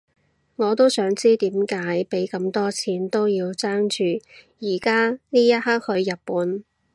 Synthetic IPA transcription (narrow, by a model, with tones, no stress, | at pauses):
ŋɔː˨˧t̪o˥wsœː˨˥ŋt͡siː˥t̪iː˨˥mkaː˨˥jpe˨˥jkɐ˧mt̪ɔː˥t͡sʰiː˨˥nt̪o˥wjiː˧wt͡saː˥ŋt͡ʃyː˨˧jiː˨˩kaː˥niː˥jɐ˥t̚haː˥k̚hɵ˧ɥjɐ˨t̚puː˨˥n